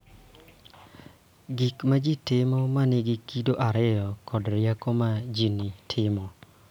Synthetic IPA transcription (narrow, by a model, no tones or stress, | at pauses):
ɡikmad͡ʒitɪmɔmanɪɡikːidoʔaɾɪjɔkʰɔdɾjakomad͡ʒinitʰɪmɔ